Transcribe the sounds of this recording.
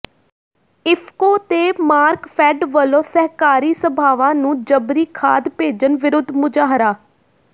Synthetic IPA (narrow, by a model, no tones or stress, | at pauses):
ɪpʰkoːt̪eːmaːɾkpʰɛːɖʋəlõːsɛɦkaːɾiːsəbʱaːʋãːnũːd͡ʒəbɾiːkʰa̰ːd̪peːd͡ʒənʋɪɾʊd̪ʱmʊd͡ʒaːɦɾaː